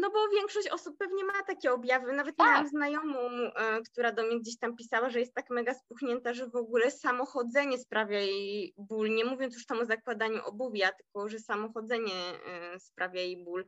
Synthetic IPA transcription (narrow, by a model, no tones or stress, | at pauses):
nɔbɔvʲjɛŋkʂɔɕt͡ɕɔsupːɛvɲɛmat̪akʲɛɔbjavɘnavɛt̪mawamznajɔmɔ̃w̃kt̪uɾad̪ɔmɲɛɡd͡ʑeɕt̪ampʲisawaʐɛjɛst̪ːakmɛɡaspuxɲɛnt̪aʐɛvɔɡulɛsamɔxɔd̪zɛɲɛspɾavʲjajibulɲɛmuvʲjɔnt̪̬uʂt̪amɔzakwad̪aɲuʔɔbuvjat̪kɔʐɛsamɔxɔd̪zɛɲɛspɾʔavʲjajibul